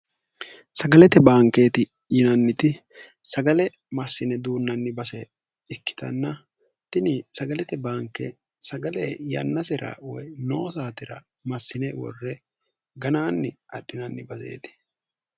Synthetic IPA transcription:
sɐɡɐlɛt̪ɛbaːŋke̞ːt̪ɪ | jɪnɐnːɪt̪ɪ | sɐɡɐlɛ | mɐsːɪnɛd̪uːnːɐnːɪbɐsɛ | ɪkːɪ̥t̪ɐ̰nːɐ | t̪ɪnɪsɐɡɐlɛt̪ɛbaːŋkːɛ | sɐɡɐlɛjɐ̰nːɐsɛɾɐ̰wɔjno̞ːsaːt̪ɪɾɐ | mɐsːɪnɛwɔ̰rːɛ | ɡɐnaːnːɪɐɗːɪnɐnːɪbɐse̞̰ːt̪ɪ̥

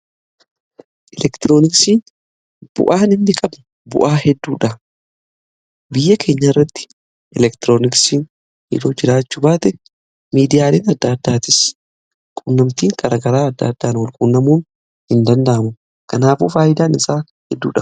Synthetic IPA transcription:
ʔɛlɛkt̪ɪɾoːnɪksiːn | b̥ʊ̰ʔaːnɪnːɪkʼɐbnʊ | bʊ̰ʔaːhɛd̪ːuːᶑɐ | bɪjːɐkʰe̞ːɲːɐɪrːɐt̪ːɪ̥ | ʔɛlɛkt̪ɪɾo̞ːnɪksiːn | hɪ̰d̪oːd͡ʒɪɾaːt͡ʃːubaːt̪ɛ | miːd̪ɪjaːleːnɐd̪ːɐːd̪ːaːt̪ɪs | kʼʊnːɐmt̪iːŋkʼɐɾɐɡɐɾaːɐd̪ːɐ̰ːd̪ːaːnɔlkʼʊnːɐmuːn | hɪnd̪ɐnd̪aʔɐmʊ | kɐnaːfṵːfaːjɪd̪aːnɪsaː | hɛd̪ːṵːᶑɐ

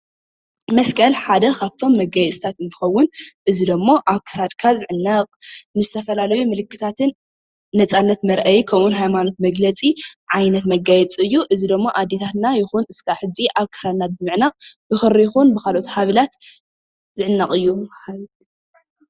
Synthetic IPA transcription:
mɐskʰɐlħad̪ɐkʰaβt̪ʰo̞mːɐɡajɛt͡sʼɨt̪ʰat̪ɨnt̪ʰɨ̥xɐwːʊnʔɨzid̪ɨmːoʔaβkʰɨ̥sad̪kʰazɨʕɨnːɐqʼnɨzɨt̪ʰɐfɐlalɐjumɨlɨkːɨ̥t̪ʰat̪ʰɨnː | ɐt͡sʼanːɐt̪mɐɾʔɐjkʰɐwunɦajmano̞t̪mɐɡlɐt͡sʼiʕajnɐt̪mɐɡajɛt͡sʼɨjːuʔɨzid̪ɨmːoʔad̪et̪ʰat̪najɪxunɨskʰaħɨd͡zʼiʔaβkʰɨ̥sad̪nabɨmɨʕnab̥ɨxɨɾːijɪxunbɨkalʔo̞t̪haβɐlat̪ | z̥ɨʕɨnːɐkʼɨjːu

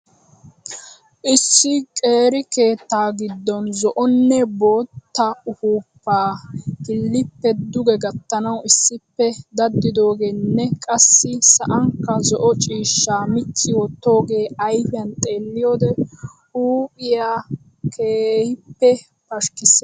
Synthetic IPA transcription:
ʔɪsːɪkʼe̞ːɾɪkeːt̪ːaːɡɪd̪ːɔnzɔʔɔnːɛbo̞ːt̪ːɐʊhuːpːaːhɪlːɪpːɛd̪ʊɡɛɡɐt̪ːɐnɐwɪsːɪpːɛd̪ɐd̪ːɪd̪o̞ːɡeːnːɛkʼɐsːɪsɐʔɐŋkːɐzɔʔɔt͡ʃʼiːʃːaːmɪt͡ʃːɪwɔt̪ːo̞ːɡe̞ːɐjfɪjɐnt̪ʼe̞ːlːɪjoːd̪ɛ | uːpʼɪjaː | kʰeːhɪpːɛ | pɐʃkɪsɛ

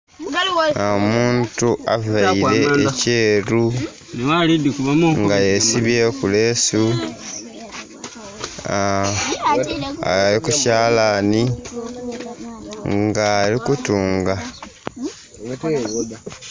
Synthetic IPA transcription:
omuːntuavaiɾe̞ːce̞ːɾu | neβalidikuβamuŋɡajesiβjekule̞su | a̰likucaːlani | ŋŋɡaːlikutuːŋɡa

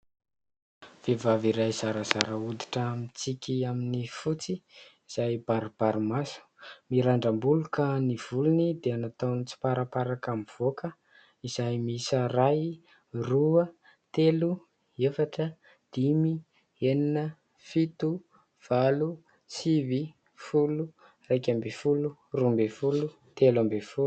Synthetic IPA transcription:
v̥evaviɾajz̥aɾəz̥aɾəud̪iʈ͡ʂəmit͡sikʲiaminifut͡siiz̥ajbaɾb̥aɾumasu̥miɾaɳɖ͡ʐambulukaniv̥ulunid̪eanat̪awnit͡si̥paɾapaɾakamiv̥okə | iz̥ajmisəraj | ruə | t̪elu | efaʈ͡ʂə | d̪̥imi | eninə | fit̪u | v̥alu | sivi | fulu | rajkʲambefulurumbefulu | t̪elambefu

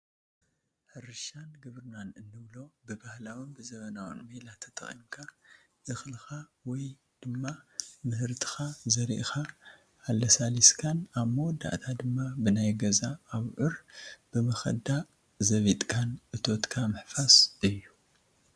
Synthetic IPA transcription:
ħɨɾɨʃanɡɨβɾɨnanɨnːɨβlobɨbahlawinbɨzɐβɐnawɔ̰nmɐlat̪ʰːɐt̪ʼɨ̰χʼḭnkʰa | ʔɨxlxawɔj | d̪̥ɨmːamɨhɨɾt̪ʰɨ̥xazɐɾḭʔxa | alːɐsaliskʰanaβmɐwɔd̪ːa̰ʔt̪ʰad̪ɨmːabɨnajɡɐzaːβʕʊɾb̥ɨmɐxɐ̰d̪a | zɐβit̪ʼkʰanʔɨt̪ʰo̞t̪kʰamɨħfasʔɨjːu

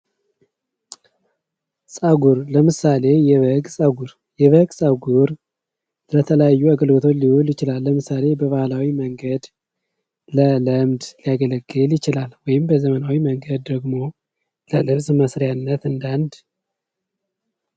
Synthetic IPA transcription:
sʼəɡuɾləmɨsale̞jɛβəɡsʼəɡuɾ | jɛβəɡsʼəɡuɾ | lət̪ʰələjajːuaɡəlɡət̪ʰot͡ʃlihuljɪt͡ʃɪlalːəmɨsale̞bəβahlawiməŋɡəd̪ | lələmd̪lijaɡələɡːɨljɪt͡ʃɪlalwɔjɪmbəzəmənawiməŋɡəd̪ːəɡmo̞ | ləlɨβsməsɾjanːət̪ɨnd̪and̪

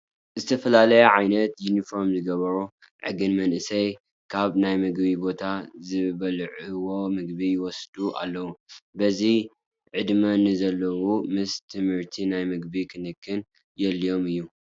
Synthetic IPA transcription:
zɨt̪ʰɐfɐlalɐjɐʕajnɐt̪junifo̞ɾmzɨɡɐβɐɾu | ʕɨ̰ɡɨnmɐnʔɨsɐj | kʰaβnajmɨɡbibo̞t̪ʰazɨβɐlʕɨwo̞mɨɡ̚bijɪwɔsd̪̥uʔa̰lːɐwubɐzi | ʕɨd̪mɐnɨzɐlːɐwumɨst̪ʰɨmhɨɾt̪ʰinajmɨɡbikʰɨnɨkʰːɨn | jɛlːio̞mɨjːu

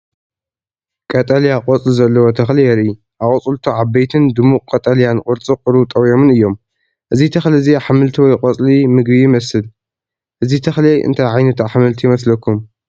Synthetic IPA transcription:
kʼɐt̪ʼɐljaqʼɔt͡sʼlizɐlːɐwot̪ʰɐxlijɛɾi | ʔakʼʊt͡sʼult̪ʰuʕaβbejt̪ʰɨnd̪ɨmukʼkʼɐt̪ʼɐlijankʼʊɾt͡sʼiqʼɨɾut̪ʼɐwjo̞mɨnɨjːo̞m | ʔɨzit̪ʰɐxliziaħamɨlt̪ʰiwɔjqʼot͡sʼlimɨɡbijɪmɐsɨl | ʔɨzit̪ʰɐxlejʔɨ̰nt̪ʰajʕajnɐt̪aħamɨlt̪ʰijɪmɐslɐkːum

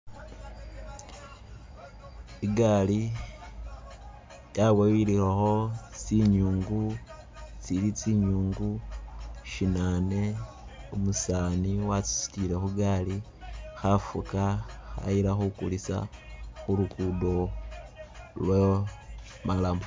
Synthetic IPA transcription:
iɡali | jawewililaxo̞siɲuːŋɡu | t͡silit͡siɲuːŋɡu | ʃinane̞ | omusaːniwat͡si̥si̥tilexuɡali | xafukaxa̰ilaxukṵlisa̰xulukudo̞ | lwe | malamo

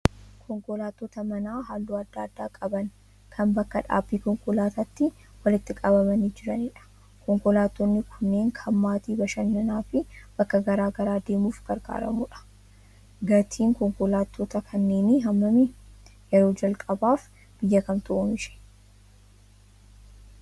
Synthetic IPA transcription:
kʰɔŋkɔlaːt̪ːoːt̪ɐmɐnaːɦaːlːuːɐd̪ːaːd̪ːaːkʼɐbɐn | kʰɐnbɐkːɐᶑa̰ːbːiːkɔŋkʊlaːt̪ɐt̪ːɪ | wɐlɪt̪ːɪkʼɐbɐmɐniːd͡ʒɪɾɐniːᶑɐ̥ | kɔŋkɔlaːt̪ːɔnːɪkʰʊnːe̞ːŋkʰɐmːaːt̪iːbɐʃɐnːɐnaːfɪb̥ɐkːɐɡɐɾaːɡɐɾaːd̪e̞ːmuːfɡ̥ɐɾɡa̰ːɾɐ̰muːᶑɐ̥ | ɡɐt̪ʰiːŋkɔŋkɔlaːt̪ːoːt̪ɐkʰɐnːe̞ːniɦɐmːɐmijɛɾoːd͡ʒɐlkʼɐbaːf | b̥ɪjːɐkɐmt̪ʊoːmɪʃɛ̥

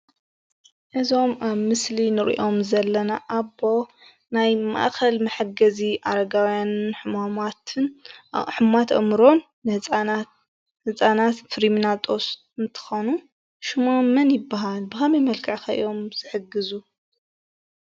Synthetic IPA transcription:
ʔɨzo̞maβmɨslinɨɾḭʔo̞mzɐlːɐnaʔaβo̞ | najma̰ʔxɐlmɐħɨɡɐziʔaɾɐɡawjanɨħmamat̪ʰɨnħɨmat̪ʔɐ̰mɾo̞nː | hɨ | hɨt͡sʼanat̪fɨɾiminat̪ʼo̞s | ɨnt̪ʰɨ̥xonu | ʃumamɐnjɪbːaɦalbɨxɐmemɐlkʰɨʕkaʔɨ̰jo̞mz̥ɨħɨɡɨzu

